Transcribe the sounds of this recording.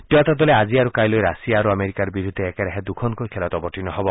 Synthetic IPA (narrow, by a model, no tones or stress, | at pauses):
ʈiat̪ad̪ɔlead͡ʒiaɾukajlojɾasiaːɾuameɾikaɾbiɾud̪ʱːeːkeɾeɦed̪ukʰɔnkojkʰelɔt̪ɔbɔʈinɔɦɔbɔ